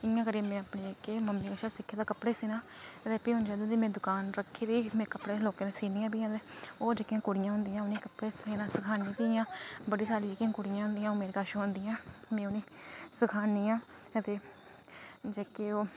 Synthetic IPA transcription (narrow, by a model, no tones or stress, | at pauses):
ɪjãːkəɾeːmɛ̃ːəpneːekeːməmːiːkəʃaːsɪkʰːeːd̪aːkəpɽeːsiːnãː | ət̪eːpiːɦʊnd͡ʒaːd̪ud̪iːmɛ̃ːd̪ʊkaːnɾəkʰːeːd̪iːmɛ̃ːkəpɽeːloːkẽːd̪ẽːsiːnijãːbiːãːt̪eːoːd͡ʒekijãːkʊɽɪjãːɦʊnd̪ɪjãːʊniːkəpɽeːseːnãːsəkʰaːnĩːt̪iːjãːbəɽiːsaːɾiːd͡ʒeːkijãːkʊɽɪjãːɦʊ̃nd̪ɪjãːoːmeːɾeːkaːʃõɦʊnd̪ɪjãːmɛ̃ːʊniːsəkʰaːniːãː | ət̪eː | d͡ʒeːkeːoː